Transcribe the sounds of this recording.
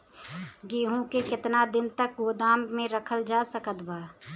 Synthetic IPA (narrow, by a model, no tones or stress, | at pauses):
ɡeːɦũkekɪt̪nad̪ɪnt̪ək̚ɡoːd̪aːmmẽɾəkʰəld͡ʒaːsəkət̪baː